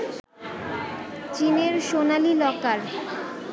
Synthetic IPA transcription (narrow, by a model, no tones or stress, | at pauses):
t͡ɕineɾʃonalilɔkaɾ